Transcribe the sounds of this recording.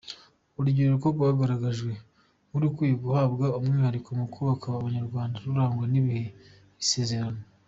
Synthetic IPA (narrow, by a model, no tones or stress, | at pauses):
uɾuɟiɾeɾukoɡwaːɡaɾaɡaʒɡwe̞ | muɾukwiːjeɡuhaːbɡaumŋiːhaɾikomukuβakaβaoβaɲaɾɡwaːndaɾuɾaːŋɡwaniβihe̞ | βise̞ːze̞ɾano